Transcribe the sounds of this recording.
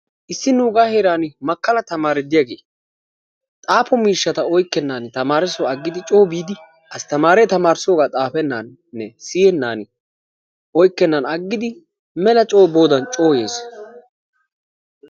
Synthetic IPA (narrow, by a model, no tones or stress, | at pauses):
ʔɪsːɪnuːɡaːheɾaːnɪmɐkːɐlɐt̪ɐmaːɾɛd̪ɪjaɡḛː | t̪ʼaːpɔmiːʃːɐt̪ɐɔjkːɛnːaːnt̪ɐmaːɾɪsɔɐɡːɪd̪ɪt͡ʃʼo̞ːbiːd̪ɪ | ʔɐst̪ɐmaːɾɛt̪ɐmaːɾsoːɡaːt̪ʼaːpɛnːan | nːɛsiːjɛnːaːnɪ | ɔjkːɛnːɐnɐɡːɪd̪ɪ | mɛlɐt͡ʃʼo̞ːbo̞ːd̪ɐnt͡ʃʼo̞ːje̞̰ːs